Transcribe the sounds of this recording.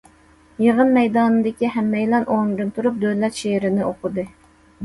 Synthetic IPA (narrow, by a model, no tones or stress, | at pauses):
jeʁənmɛjd̪ɑːnɨd̪ɪkʲiɦɛmːɛjlˠɑnʔoŋd̪ɨnt̪ʰuɾup̚d̪ølɛt̪ʃeɾɪnɪoqʊd̪ɨ